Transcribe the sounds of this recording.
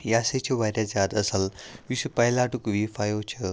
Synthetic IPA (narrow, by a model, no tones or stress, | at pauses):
jaset͡ɕʰiʋaɾʲjad͡zjad̪əsalʋisupəɦlaʈukʋifajot͡ɕʰə